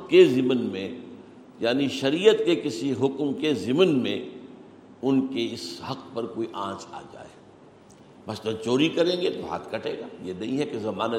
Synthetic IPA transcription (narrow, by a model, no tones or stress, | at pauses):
kezɪmnmẽ | jaːniʃɐɾijət̪kekɪsiɦʊkmkezɪmənmẽ | ʊnkeɪshɐqpɐɾkoːiʔãːt͡ʃa̰ːd͡ʒa̰ːeː | mɐslɐt͡ʃoːɾikɐɾẽːŋɡet̪ɦa̰ːt̪kɐʈʰḛ̃ːɡaːjenɐɦĩɦɛkezɐmaːna